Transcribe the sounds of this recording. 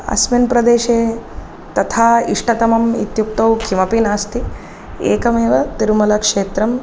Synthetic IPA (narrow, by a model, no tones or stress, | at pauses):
ɐ̰sminpɾɐd̪eːʃeː | t̪ɐt̪ʰaːiʂʈɐt̪ɐmɐmḭt̪juk̚t̪ɐwkʰimɐpinaːst̪i | ḛːkɐmeːʋɐt̪iɾmɐlɐkʂeːt̪ɾɐm